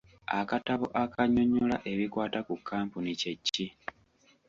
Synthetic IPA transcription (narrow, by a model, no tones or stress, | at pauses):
a̰kataβoʔakʰaɲoɲulaʔe̞βikwaːtakukʰːaːmpunice̞cːi